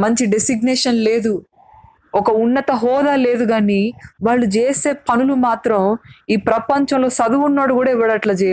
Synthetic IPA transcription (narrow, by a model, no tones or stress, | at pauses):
mɐɲt͡ʃiɖesiɡneːʂɐnle̞ːd̪u | ɔkɐunːɐt̪ɐɦɔːd̪aːle̞ːd̪uɡaːniʋaːɭːud͡ʒeːse̞ːpɐnulumaːt̪ɾɐmiːpɾɐpɐɲt͡ʃɐ̃mlo̞ːsɐd̪uʋunːaːɽukuːɽaːiʋɐɽɐʈlɐd͡ʒɛːj